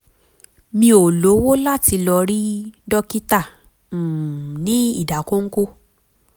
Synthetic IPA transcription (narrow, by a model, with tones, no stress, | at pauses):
mĩ˧˦o˨lo˨˦wo˦la˦ti˧lɔ˧ɾi˦dɔ˦ki˦ta˦˨ | nĩ˨˦ḭ˦˨da˨ko˦ŋ̩˦ko˦